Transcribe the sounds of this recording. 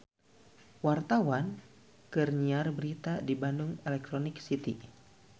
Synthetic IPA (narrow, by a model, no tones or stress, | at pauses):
wart̪awan | kərɲiarbəɾit̪adibandʊŋɛlɛk̚t̪ɾonɪksit̪i